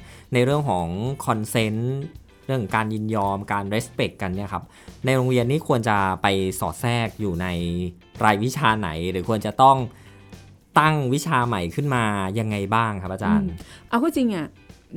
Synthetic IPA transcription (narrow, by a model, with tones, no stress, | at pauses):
na˧jɾɯ˥˩əŋkʰɔː˩˦ŋkʰɔ˧nse˦˥n | ɾɯ˥˩ŋ˩ŋkaː˧njɯ˧njɔː˧mkaː˧nɾe˦˥spe˨˩kːa˧nːi˥˩ɐkʰa˦˥p̚ | na˧jɾoː˧ŋɾi˧ənːiː˥˩kʰu˧ənt͡ɕa˨˩pa˧jsɔ̰ː˨˩t̪̚sɛː˥˩k̚juː˨˩na˧j | ɾaː˧jwi˦˥t͡ɕʰaː˧na̰˩˦jɾɯː˩˦kʰu˧ənt͡ɕa˨˩t̪ɔ˥˩ŋ | t̪a˥˩ŋwi˦˥t͡ɕʰaː˧ma˨˩jkʰɯ˥˩nmaː˧ja˧ŋːa˧jbaː˥˩ŋkʰa˦˥p̚ʔaː˧t͡ɕaː˧nʔa˧wkʰɔː˥˩t͡ɕi˧ŋʔa˥˩